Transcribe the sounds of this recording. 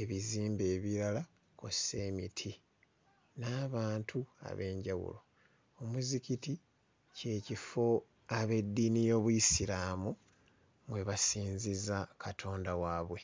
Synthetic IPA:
e̞βiziːmbe̞ːβiɾala | kose̞ːmitʰi | naːβaːntʰua̰βe̞ːɲɟawṵlo̞ | omuzikiti | ce̞ːcifo̞ | aβe̞dːinijo̞ːβujisiɾaːmu | mwe̞βasiːnzizakʰatʰo̞ːndawaːβwe̞

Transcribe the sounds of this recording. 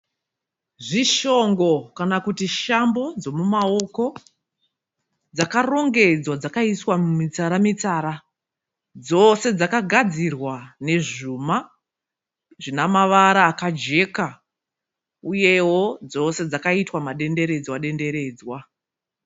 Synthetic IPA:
ʐiʃo̞ŋɡo̞kanakutiʃambo̞d͡zo̞mumao̞ko̞ | d͡zakaro̞ŋɡe̞d͡zwad͡zakaiswamumit͡saɾamit͡saɾa | d͡zo̞se̞d͡zakaɡʱad͡zirwane̞ʐuma | ʐinamaʋaɾaːkad͡ʒe̞ka | uje̞wo̞d͡zo̞se̞d͡zakaitwamaɗe̞nde̞ɾe̞d͡zwaɗe̞nde̞ɾe̞ːd͡zwa

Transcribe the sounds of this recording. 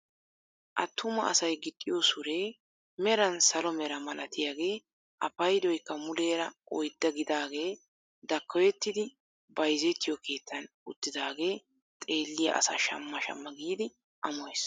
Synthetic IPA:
ʔɐt̪ʰːʊmɐɐsɐjɡɪt̪ʼːɪjosʊɾe̞ː | mɛɾɐnsɐlɔmɛɾɐmɐlɐt̪ɪjaːɡe̞ː | ʔɐpɐjd̪ɔjkːɐmʊleːɾɐʔɔjd̪ːɐɡɪd̪aːɡe̞ː | d̪ɐkːɔjɛt̪ːɪd̪ɪ | bɐjzɛt̪ːɪjɔkʰe̞ːt̪ːɐn | ʊt̪ːɪd̪aːɡe̞ː | t̪ʼe̞ːlːɪjɐ̰ʔɐ̰sɐ̰ʃɐ̰mːɐʃɐ̰mːɐɡiːd̪ɪ | ʔɐmɔjs

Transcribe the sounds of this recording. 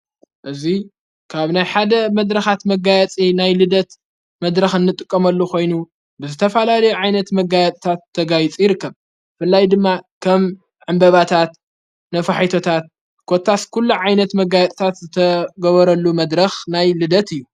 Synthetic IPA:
ʔɨzi | kʰaβnajħad̪ɐmɐd̪ɾɐxat̪mɐɡajɛt͡sʼinajlɨd̪ɐt̪ | mɐd̪ɾɐxɨnːɨt̪ʼɨkʼːɐmɐlːukʰo̞jnu | bɨzɨt̪ʰɐfɐlalɐjuʕajnɐt̪mɐɡajɛt̪ʼt̪ʰat̪ʰːɐɡajit͡sʼijɪɾɨkːɐβ | fɨlːajd̪ɨmːakʰɐm | ʕɨmbɐβat̪ʰat̪ | nɐfɐħajt̪ʰo̞t̪ʰat̪̚ | kʰo̞t̪ʰːaskʰulːuʕajnɐt̪mɐɡajɛt̪ʼt̪ʰat̪zɨt̪ʰɐɡɐβɐɾɐlːumɐd̪ɾɐxnajlɨd̪ɐt̪ɨjːu

